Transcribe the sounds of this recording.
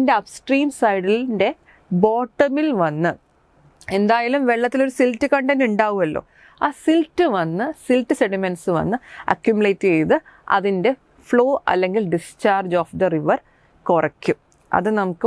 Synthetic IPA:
nde̞ɐpsʈriːmsɐjɽilnde̞ | bo̞ːʈːɐmilʋɐnːɨ | e̞nd̪aːjalumʋe̞ɭːɐt̪ːilo̞ɾusiltːɨkɐɳɖɐnuɳɖaːʋumɐlːo̰ː | aːsiltːɨʋɐnːɨsiltːɨse̞ɽimensɨʋɐ̰nːɨɐ̰kjumjuleːtːɨejðɨɐ̰ðinde̞ | fɭo̞ːʔɐ̰lːe̞ŋɡilɖist͡ɕaːrd͡ʑoːfd̪ɐriʋɐr | korɐkʲːum | ɐ̰ðɨnɐmukːɨ

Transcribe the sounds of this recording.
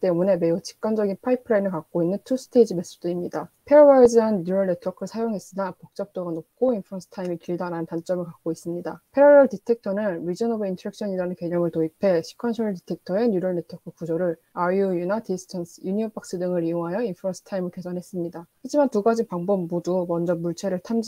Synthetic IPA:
t͈e̞mune̞me̞ut͡ɕi̥k̚k͈and͡ʑʌɡinpʰaipʰɯɾainɯɭkak̚k͈oinːɯntʰusʰɯ̥tʰe̞id͡ʑime̞s͈d͈ɯimɲidapʰe̞ɾobad͡ʑianɯnjuɾʌɭne̞tʰʌkʰɯɭsʰajoŋɦe̞s͈ɯnapok̚t͡ɕ͈ʌp̚t͈oɡanop̚k͈ʰoinpʰɯɾʌnsʰɯ̥tʰaimikiɭdaɾanɯntant͡ɕ͈ʌmɯɭkak̚k͈ois͈ɯmɲidapʰe̞ɾoɾʌɭtitʰe̞k̚tʰʌnɯnɾid͡ʑʌnʌbɯintʰɾek̚ɕʰʌɲiɾanɯnke̞ɲʌmɯɭtoipʰe̞ɕʰi̥kʰanɕʰʌɭt̬itʰe̞k̚tʰʌenuɾʌɭne̞tʰwʌkʰɯkud͡ʑʌɾɯɭ | aiujunadisʰɯ̥tʰans͈ʰɯjuɲiʌpʰak̚s͈ɯdɯŋɯɾijoŋɦajʌinpʰɯɾʌnsʰɯ̥tʰaimɯɭke̞sʰʌnɦe̞s͈ɯmɲidahad͡ʑimantuɡad͡ʑinpaŋbobːodumʌnd͡ʑʌmuɭt͡ɕʰe̞ɾɯɭtʰamd͡ʑ

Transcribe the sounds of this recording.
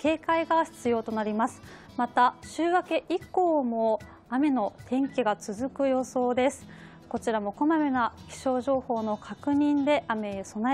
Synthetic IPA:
ke̞ːkaiɡaçi̥t͡sɨjo̞ːt̪o̞naɾʲimasɨ̥ | mat̪aɕɨːβakeʔiko̞ːmo̞ | ame̞no̞t̪ʰẽ̞ŋkʲeɡat͡sɨzɨkɯ̟jo̞so̞ːd̪e̞sɨ̥ | ko̞t͡ɕiɾamo̞ko̞mamenakʲi̥ɕo̞ːʑo̞ːho̞ːno̞kʰakɯ̟ɲ̟ĩnd̪e̞ʔame̞so̞na

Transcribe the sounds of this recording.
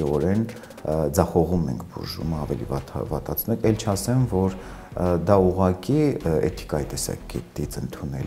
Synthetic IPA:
iɔɾɛn | d͡zɑχɔʁumɛ̰ŋkʰbṵʒṵməɑvɛlḭvɑt̪ʰvɑt̪ɑt͡sʰnɛkɛlt͡ʃʰɑsɛmvɔɾd̪ɑuʁɑkiɛ̰t̪ʰi̥kɑjit̪ɛsɑ̰kɛt̪it͡sənt̪ʰunɛ̰l

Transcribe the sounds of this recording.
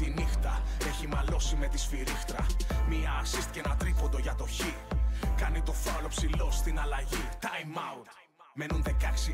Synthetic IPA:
t̪inixt̪ɐe̞çimɐlo̞sime̞t̪isfiɾixt̪ɾɐmiɐːsist̪i̥cenɐt̪ɾiko̞nd̪o̞ʝɐt̪o̞çikɐnit̪o̞fɐlo̞psilo̞st̪inɐlɐʝit̪ɐjmɐut̪ | me̞nunðe̞kɐksi

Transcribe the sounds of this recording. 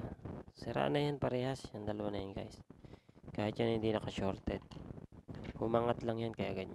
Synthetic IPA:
sɛɾa̰ʔnɐjanpɐɾɛhasjand̪ɐlɐwanɐjanɡa̰js | kaːhɪt̪ɲanhɪnd̪inɐkɐʃoɾt̪ɛd̪̚ | hʊmaːŋat̪laŋjankɐjɐɡad̪̚ɲ

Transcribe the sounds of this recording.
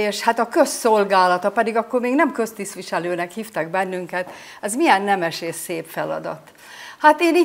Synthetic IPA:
eːʃhat̪ɒkø̞sːo̞lɡaːlɒt̪ɒpɛd̪iɡɒkːormeːɡnɛmkø̞st̪ist̪ʋiʃɛløːnɛkhiːft̪ɛɡ̚bɛnːyŋkɛt̪ | ɛzmijɛnːɛmɛʃeːseːpfɛlɒ̰d̪ɒ̰t̪ | hat̪eːniː

